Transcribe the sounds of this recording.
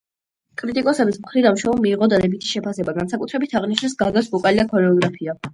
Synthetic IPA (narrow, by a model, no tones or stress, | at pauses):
kʼɾit̪ʼikʼɔsɛbismχɾid̪anmʃwɛumiːʁɔd̪ad̪ɛbit̪ʰi̥ʃɛpʰasɛbaɡansakʼut̪ʰɾɛbit̪ʰaʁniʃnɛsɡaɡasbɔkʼalid̪akʰɔnɛɔɡɾapʰia